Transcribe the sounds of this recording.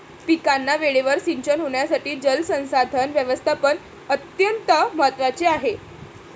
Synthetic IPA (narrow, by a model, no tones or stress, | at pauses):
pikanːaʋeɭeʋəɾsiɲt͡ɕənɦoɳ̃jasaʈiːd͡zəlsə̃w̃sad̪ʱənʋjəʋəst̪ʰapən | ət̪jənt̪əməɦət̪ʋat͡seaɦe